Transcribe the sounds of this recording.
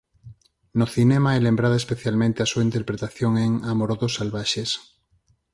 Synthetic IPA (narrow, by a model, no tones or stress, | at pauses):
noθinemaɛlẽmbɾaðoespeθjalmẽnt̪easuaint̪eɾpɾet̪aθjoŋeŋamoɾoðosalβaʃes